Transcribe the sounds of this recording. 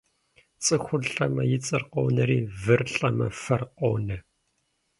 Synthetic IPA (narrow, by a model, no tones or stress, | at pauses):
t͡sʼɨxʷʊɮɬʼɐmɐjɪt͡sʼɨrqownɐɾiːvɨrɬʼɐmɐfɐrqownɐ